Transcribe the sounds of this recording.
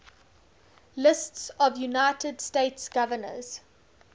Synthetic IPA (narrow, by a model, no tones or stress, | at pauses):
lɪstsɔvjunaɪtʰəd̥steɪtsɡ̥avənə̰z̥